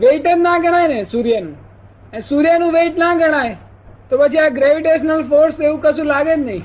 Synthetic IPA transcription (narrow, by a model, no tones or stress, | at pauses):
ʋeiʈemnaɡʱəɽ̃ajnesuɾjanũ | suɾjanũʋeiʈnaɡʱəɽ̃aj | t̪opət͡ʃʰiaɡɾeʋiʈeʃnəlfoɾseʋũkəʃũlaɡed͡ʒnəɦĩ